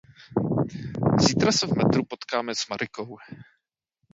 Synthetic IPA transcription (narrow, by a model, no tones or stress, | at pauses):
ziːt̪ɾasɛvmɛt̪ɾupo̞t̪kaːmɛz̥maɾɪkow